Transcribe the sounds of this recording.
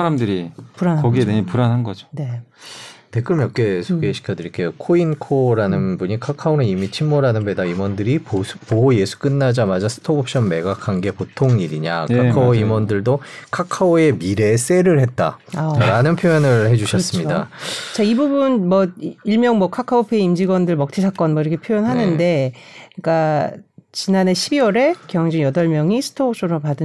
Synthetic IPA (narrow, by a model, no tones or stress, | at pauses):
aɾamdɯɾipuɾanʌɡiedeɲpuɾanɦanɡʌd͡ʑone | te̞k͈ɯɭmjʌk̚k͈e̞sʰoɡe̞ɕʰi̥kʰjʌdɯɾikʰe̞jokʰoinkʰoɾanɯnbuɲikʰakʰaonɯnimit͡ɕʰimːoɾanɯnbe̞daimwʌndɯɾiopoɦoje̞sʰu̥k͈ɯnːad͡ʑamad͡ʑasʰɯ̥tʰobʌp̚ɕ͈ʌnme̞ɡakʰanɡe̞potʰoŋɲiɾiɲakʰakʰaoimʌndɯɭdokʰakʰaoe̞miɾe̞s͈e̞ɾɯɭhe̞t̚t͈a̰aɾanɯnpʰjojʌnɯɭhe̞d͡ʑuɕʰʌs͈ɯmɲida̰t͡ɕaibubunmʌiɭmjʌŋmwʌkʰakʰaopʰeimd͡ʑiɡwʌndɯɭmʌk̚tʰisʰak͈ʌnmʌiɾʌkʰepʰjojʌnɦanɯnde̞ik͈a | t͡ɕinane̞ɕʰibiwʌɾe̞kjʌŋd͡ʑiŋjʌdʌɭmjʌŋisʰɯ̥tʰooɕ͈ʰoɾopadɯ